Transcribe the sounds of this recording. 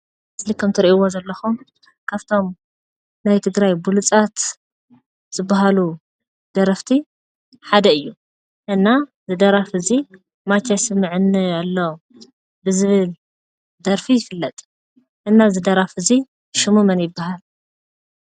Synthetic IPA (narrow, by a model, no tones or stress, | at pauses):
slikʰːɐmt̪ʰɨɾiʔiwozɐlːɐxum | kʰaβt̪ʰo̞m | najt̪ʰɨɡɾajbulut͡sʼat̪ | z̥ɨbːaɦalu | d̪̥ɐɾɐft̪ʰi | ħad̪ɐɨjːu | ʔɨnːa | zɨd̪ɐɾafɨzi | mat͡ʃʰːasɨmːɨʕɨnːɨalːo | bɨzɨβɨl | d̪ɐɾfijɪfɨlːɐt̪ʼ | ʔɨnːazɨd̪ɐɾafɨzi | ʃɨmumɐnjɪbːaɦal